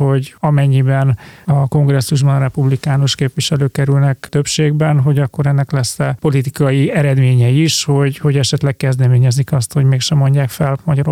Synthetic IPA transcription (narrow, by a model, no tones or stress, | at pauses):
ho̞ɟɒmɛɲːibɛnɒko̞ŋɡrɛsːuʒbɒnɾɛpublikaːnoʃkeːpʋiʃɛløːkːɛɾylnɛkt̪ø̞pʃeːɡbɛnɦo̞ɟɒkːo̞ɾɛnːɛklɛsːɛpo̞lit̪ikɒjiɛɾɛd̪meːɲɛjiʃho̞ɟho̞ɟɛʃɛt̪lɛk̚kɛzd̪ɛmeːɲɛzikɒst̪ho̞ɟmeːkʃɛmːo̞ɲɟaːkfɛlmɒɟɒɾ